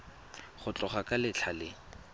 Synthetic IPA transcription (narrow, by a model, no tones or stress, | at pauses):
χʊt͡ɬʼɔχakʼalɪt͡ɬʰalɪ